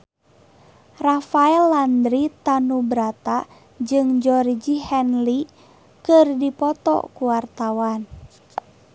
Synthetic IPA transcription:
rafaɛlːand̪ɾit̪anubɾat̪a | d͡ʒɨŋd͡ʒɔrd͡ʒihɛnli | kɨrdipɔt̪ɔ̰kuwart̪awan

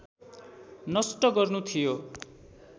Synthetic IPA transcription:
nʌsʈʌɡʌrnut̪ʰijo

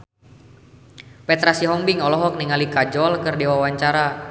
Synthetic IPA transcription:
pɛt̪ɾasiɦɔmbiŋɔlɔɦɔk̚niŋalikad͡ʒɔlkərdiwawaɲt͡ʃaɾa

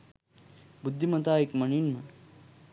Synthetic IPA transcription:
bud̪ʱːimɐt̪aːikmɐɳinmɐ

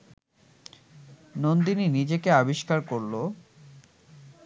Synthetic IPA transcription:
nond̪ininid͡ʑekeabiʃkaɾkoɾlo

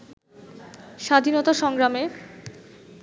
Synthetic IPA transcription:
ʃad̪ʱinɔt̪aʃɔŋɡɾame

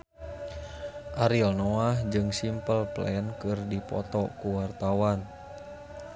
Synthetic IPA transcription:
ʔaɾilnɔahd͡ʒɨŋsimpəlplɛnkɨrdipɔ̰t̪ɔkuwart̪awan

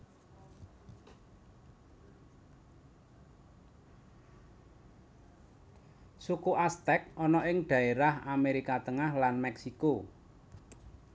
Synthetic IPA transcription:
sukuʔast̪ɛk̚ɔnɔɪŋɖ̪̥ä̤eɾahameɾikat̪əŋahlanmɛksiko

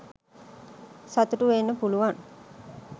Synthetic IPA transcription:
sat̪uʈuʋenːəpuluʋan

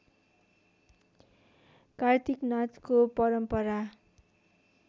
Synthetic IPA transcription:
kart̪iknat͡skopʌɾʌmpʌɾa

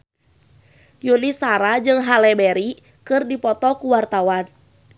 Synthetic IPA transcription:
junisaɾad͡ʒɨŋɦalɛbɛɾi | kɨrdipɔt̪ɔkuwart̪awan

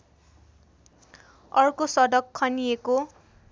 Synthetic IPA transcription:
ʌrkosʌd̪ʌkʰːʌnijeko

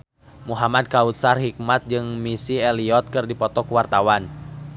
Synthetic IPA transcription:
muɦamad̚kaut̪̚sarɦik̚mat̪̚d͡ʒɨŋmisiɛliɔt̪̚kɨrdipɔt̪ɔkuwart̪awan

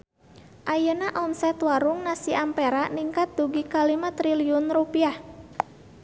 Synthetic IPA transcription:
ʔajənaʔɔnsɛt̪waɾuŋnasiampeɾaʔniŋkat̪̚d̪uɡikalimat̪ɾiliunrupiah

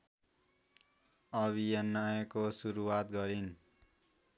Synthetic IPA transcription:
ʌβʱijʌnːʌjʌkosuɾuwat̪ɡʌɾin

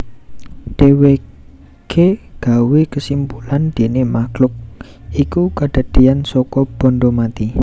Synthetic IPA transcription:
ɖ̥ewe | ɡ̥ʰeɡ̥a̤wekəsimpuland̪̥e̤nemaɡ̥lʊk̚ | ikukaɖ̥ə̤d̪̥ijansɔkɔb̥ɔ̤nɖomat̪i

